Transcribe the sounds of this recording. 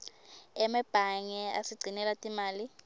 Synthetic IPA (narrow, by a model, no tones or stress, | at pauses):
ɛmɛb̥ʱaŋɛa̰siɡ͡ǀʱinɛlatʼimaːli